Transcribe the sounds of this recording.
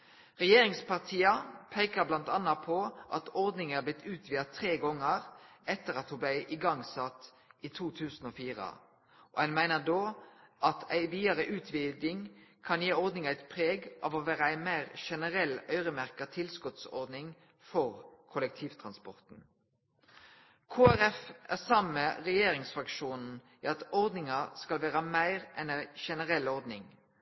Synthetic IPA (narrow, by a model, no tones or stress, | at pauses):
ʁɛjeːʁɪŋspʰɑʁt̪ʰiːɑpʰeɪkəblɑnt̪ɑnɑpʰɔʔɑt̪ɔʁd̪nɪŋæblɪt̪ʰːʉːt̪ʰʋiːɑt̪ʰɾeːɡɔŋːəʁɛt̪ːəʁɑt̪hʊblæɪʔɪɡɑŋsɑt̪ː | iːt̪ʰuːt̪ʰʉːsn̩oːfiːʁə̰ | ʔɔ̰hɛnmæɪnəd̪oːʔɑt̪ʰæɪʋiːɑʁəʔʉːt̪ʰʋiːd̪ɪŋkʰɑnjeːɔɾd̪nɪŋæɪt̪pʰʁeːɡʔɑ̰ːʋɔʋæːɾəæɪmæɪʁʃɛnəʁɛlːœʏɾəmæʁkɑt̪ʰɪlskʉt̪sɔ̰ɾd̪nɪŋ | fɔʁkʰʊlɛk̚t̪ʰiːʋt̪ʰʁɑnspɔ̰ʁt̪n̩ | kʰoːæɾɛfæ̰ʁsɑmːəʁɛjeːɾɪŋsfɾɑkʃuːnn̩ | æɑt̪ɔʁd̪nɪŋɑskɑlʋæːʁɑmæɪʁʔɛnæɪʃɛnəʁɛlːɔʁd̪nɪŋ